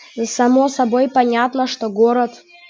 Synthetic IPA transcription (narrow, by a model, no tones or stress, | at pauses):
zsɐmosɐbojpɐnʲat̪nəʂt̪oɡoɾət̪